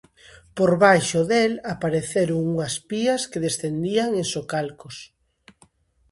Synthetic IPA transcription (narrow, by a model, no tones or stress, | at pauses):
poɾβajʃoðelapaɾeθeɾʊŋuŋɐspiɐskeðesθend̪iaŋesokalkʊs